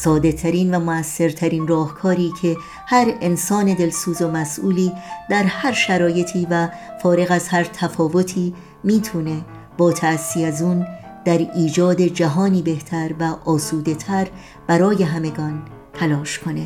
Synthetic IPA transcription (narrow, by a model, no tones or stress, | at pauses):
sɒːd̪e̞t̪ʰæɾiːnvæmoæsːe̞ɾt̪ʰæɾiːnrɒːhkʰɒːɾiːcʰe̞ | hæɾe̞nsɒːne̞d̪e̞lsuːzo̞mæsʔuːliːd̪̥æɾhæɾʃæɾɒːje̞t̪ʰiːvæfɒːɾe̞ɣæzhæɾt̪ʰæfɒːvo̞t̪ʰiː | miːt̪ʰune̞ | b̥ɒːt̪ʰæsːiːæzuːn | d̪̥æɾiːd͡ʒɒːd̪e̞d͡ʒæɦɒːniːbe̞ht̪ʰæɾvæʔɒːsuːd̪e̞t̪ʰæɾ | b̥æɾɒːje̞ɦæme̞ɡɒːn | t̪ʰælɒːʃkʰo̞ne̞